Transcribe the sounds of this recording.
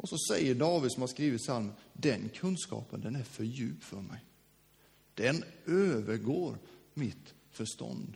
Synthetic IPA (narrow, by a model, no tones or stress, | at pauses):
ʔɔsɔsɛjːəɖɑːvɪd̪sɔmhaɾʂkɾiːʋɪt̪salmənd̪ɛnkʰɵnskɑ̰ːpənd̪ɛnæɾfœɾjʉːp̪fœɾmɛ̰j | d̪̥ɛnøːvəɾɡoːɾmɪt̪ | fœʂt̪ɔ̰nd̪